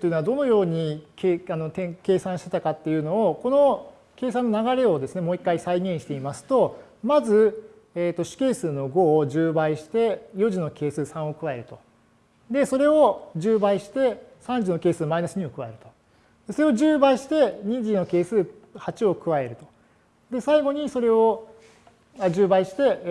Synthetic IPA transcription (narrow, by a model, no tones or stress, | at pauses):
t̪oiɯ̟noad̪o̞no̞jo̞ːɲ̟ikʰano̞t̪ẽŋke̞ːsãɕi̥t̪e̞t̪akat̪ːe̞jɯ̟no̞ːko̞no̞ | ke̞ːsãnːo̞naɡaɾe̞o̞d̪e̞sɨne̞mo̞ːikːaisaiɡẽ̞ɰ̃ɕi̥t̪e̞imasɨ̥t̪o̞ | mazɨ | eːt̪ːo̞ɕɨ̥ke̞ːsɨːno̞ɡo̞ʑɨːbaiɕi̥t̪e̞jo̞ʑino̞ke̞ːsɨːsãɰ̃o̞kɯ̟βae̞ɾɯ̟t̪o̞ | d̪e̞so̞ɾe̞o̞ʑɨːbaiɕi̥t̪e̞sãɲ̟d͡ʑino̞ke̞ːsɨːmainaɕiɲ̟imokɯ̟βa̰e̞ɾɯ̟t̪o̞̥ | d̪̥e̞so̞ɾe̞oʑɨːbaiɕi̥t̪e̞ɲ̟id͡ʑino̞ke̞ːsɨː | hat͡ɕio̞kɯ̟βae̞ɾɯ̟t̪o̞ | d̪e̞saiɡo̞ɲ̟iso̞ɾe̞o | aʑɨːbaiɕi̥t̪e̞